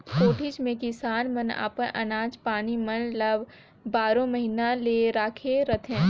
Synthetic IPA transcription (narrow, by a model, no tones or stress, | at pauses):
koːʈʰɪd͡ʒmẽkɪsaːnmɐna̰ːpəʔɐ̰naːd͡ʒpaːnimɐnlɐb | baːɾõmɐɦinãleɾaːkʰeɾɐt̪ʰẽː